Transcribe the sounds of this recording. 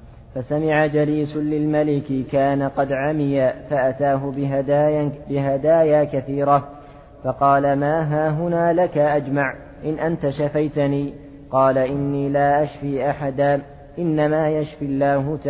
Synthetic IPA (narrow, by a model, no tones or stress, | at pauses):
fasamɪʕad͡ʒaliːsʊlɪlmalɪkɪkaːnaqɑd̪ʕamɪjafaʔat̪aːɦʊ | bɪɦad̪aːjaːkaθiːɾa | fɑqɑːlamaːɦaːɦʊnaːlakaʔad͡ʒmaʕ | ʔɪnʔant̪aʃafajt̪aniː | qɑːlaʔɪnːiːlaːʔaʃfiːʔaħad̪aː | ʔɪnːamaːjaʃfiɪlːaːɦʊt̪a